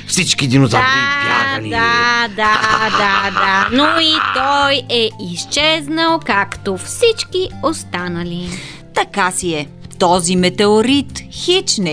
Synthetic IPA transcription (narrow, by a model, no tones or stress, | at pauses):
fsit͡ʃkiɛd̪inozataanid̪ad̪ad̪ad̪anoit̪ɔjɛist͡ʃɛznəlˠkakt̪ofsit͡ʃkiost̪anəli | t̪ɐkasiɛ | t̪ɔzimɛt̪ɛoɾit̪xit͡ʃnɛ